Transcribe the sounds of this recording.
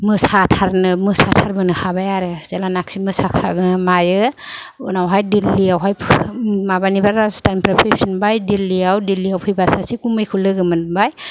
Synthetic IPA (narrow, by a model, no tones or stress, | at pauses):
mɯsatʰaɾnɯmɯsatʰaɾbɯnɯhabajaɾezelanaksimɯsakʰa̰ɡɯmajɯ | ṵnawɦajdilːijawɦajpʰmabanibaɾɾasu̥tampɾapʰepsinbajdilːiawdilːijawpʰɯjbasasikumɯjkʰulɯɡɯmɯnbaj